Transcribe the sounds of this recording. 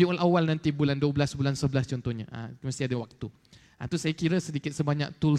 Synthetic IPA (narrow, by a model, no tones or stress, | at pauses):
iɔlʔawalnãnt̪ibulanduəbəlasbulansəbəlast͡ʃɔnt̪ɔhɲa̰ʔa̰mast̪iadəwak̚t̪u | ʔa̰t̪usajakiɾəsədikɪt̪̚səbaɲa̰k̚t̪ul